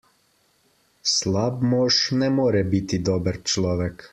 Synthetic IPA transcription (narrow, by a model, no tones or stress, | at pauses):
slab̚mɔːʃnɛmoːɾɛbit̪id̪ɔːbəɾt͡ʃlɔːʋɛk